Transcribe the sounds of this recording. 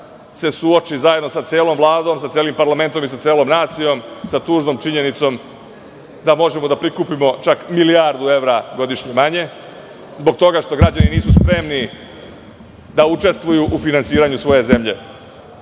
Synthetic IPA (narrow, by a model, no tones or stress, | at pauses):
se̞suot͡ʃizaje̞d̪no̞sat̪seːlo̞mvlˠaːd̪o̞ːmsat̪seːlimpaɾlame̞nt̪o̞mis̬at̪seːlo̞mnaːt̪sijo̞msat̪uːʒnomt͡ʃiɲe̞nit̪so̞m | d̪amo̞ʒemo̞d̪apɾikupimo̞t͡ʃakmiliaɾd̪ue̞ʋɾaɡo̞d̪iʃɲemaɲe̞ | zbo̞ɡ̚t̪o̞ɡaʃt̪o̞ɡɾad͡ʑaniniːsuspɾe̞mni | d̪aut͡ʃe̞st̪ʋujuʔufinansiːɾaɲusʋo̞je̞ze̞mʎe̞